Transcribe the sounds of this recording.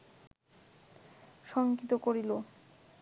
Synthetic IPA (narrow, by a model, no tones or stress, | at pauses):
ʃɔŋkit̪okoɾilo